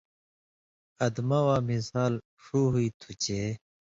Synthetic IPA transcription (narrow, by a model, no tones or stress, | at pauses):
ɐd̪mawaːmisaːl | ʂuɦuit̪ʰut͡ɕeː